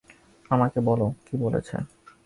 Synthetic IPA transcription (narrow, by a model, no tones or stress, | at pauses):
amakebɔlokibolḛt͡ɕʰḛ